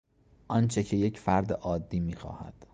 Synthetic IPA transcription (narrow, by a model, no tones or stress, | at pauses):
ʔɒnt͡ʃʰecʰe̞je̞cʰfæɾd̪eʔɒːd̪ːiːmiːxɒ̰ːhæ̰d̪̥